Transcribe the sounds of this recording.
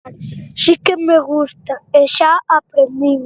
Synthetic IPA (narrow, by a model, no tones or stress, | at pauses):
ʃikemeɣust̪aeʃaapɾemi